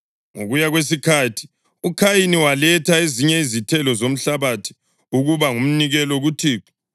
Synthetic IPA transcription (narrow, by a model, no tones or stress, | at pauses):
ŋo̰ɣujaɣwes̬ikʰatʰi̥ | ukʰajiniwalɛtʰaeziɲɛizitʰɛlɔzom̩ɬaβatʰi̥ | uɣuβaŋum̩niɣɛlɔɣutʰiːkʰi̥